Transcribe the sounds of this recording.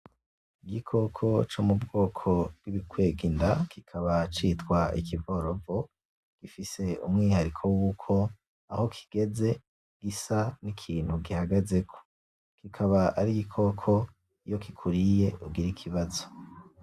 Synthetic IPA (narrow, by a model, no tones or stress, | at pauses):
iɡikʰo̞kʰo̞t͡ʃomubɡo̞ːkʰo̞b̚ɡiβikweːɡindakikʰaβat͡ʃitkwaḭkivoɾovo | ɡ̥ifise̞ṵmŋiːhaɾikʰo̞wukʰo̞ | aho̞kʰi̥ɡ̥e̞ze̞ | ɡ̥isanikʰiːn̥huɡihaɡaze̞kʰo̥ | kikʰaβaʔaɾiɡikʰo̞kʰo̞ | ijo̞kikʰuɾije̞ubɡiɾikʰiβazo̥